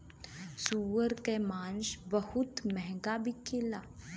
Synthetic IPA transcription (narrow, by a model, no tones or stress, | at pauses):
suːʋəɾkemãːnʃbəhʊt̪mɛɦŋɡabʱikʰɪlaː